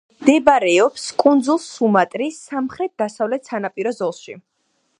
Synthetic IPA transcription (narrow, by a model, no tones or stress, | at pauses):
md̪ɛbaɾɛɔpskʼund̪zulˠsumat̪ʼɾisamχɾɛt̪̚d̪̥asavlɛt̪sanapʼiɾɔzɔlˠʃḭ